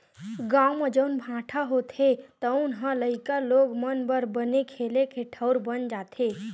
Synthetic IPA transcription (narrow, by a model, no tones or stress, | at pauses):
ɡawməd͡ʒəʊnbʱãʈʰaɦot̪ʰet̪əʊnɦə̃ləɪkəloɡmənbəɾbənekʰelekʰeʈʰəʊɾbənd͡ʒat̪ʰe